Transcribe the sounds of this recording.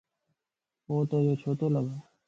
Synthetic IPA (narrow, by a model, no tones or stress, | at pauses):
oːt̪õːjoːt͡ʃʰoːt̪oːləɡaː